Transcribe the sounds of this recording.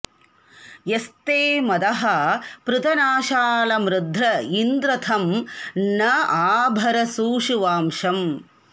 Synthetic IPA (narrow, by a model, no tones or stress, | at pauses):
jest̪eːmɐd̪ɐɦɐpɾɪt̪ɐnaːʃaːlɐmɾɪd̪ʱːɾɐind̪ɾɐt̪ʰɐmnɐaːbʱɐɾɐsuːʃuʋaːmʃɐm